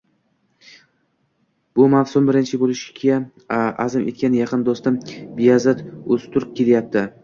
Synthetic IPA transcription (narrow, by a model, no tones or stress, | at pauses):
b̥ʊmafsʊmbɪɾɪnt͡ʃʰɪbolɪʃɪ̥ɡʲa | azɪmʔe̞̰t̪̚kʲanɪjɑqʰɨnd̪ost̪ɪmbijazat̪ɵst̪ʰʊɾɪp̚kʲe̞ljap̚t̪ʰɪ